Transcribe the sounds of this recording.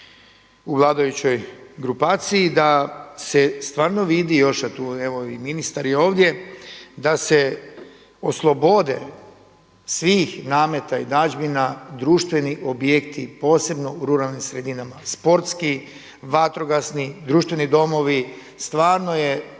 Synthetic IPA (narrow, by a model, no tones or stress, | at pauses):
uʋlˠaːd̪ajut͡ɕo̞jɡɾupaːt̪siid̪asest̪ʋaːɾno̞ʋid̪ijo̞ʃat̪uːeʋo̞iminist̪aɾjeo̞ːʋd̪je̞d̪ase | o̞slˠo̞bo̞d̪e̞̰ | sʋiːxnaːme̞t̪aid̪ad͡ʒbinad̪ɾuːʃt̪ʋe̞niʔo̞bjekt̪ʰipo̞ːse̞bno̞uɾuɾalˠnimsɾed̪inamaspo̞ɾt̪ski | ʋat̪ɾo̞ɡasnid̪ɾuːʃt̪ʋe̞nid̪o̞mo̞ʋi | st̪ʋaːɾno̞je̞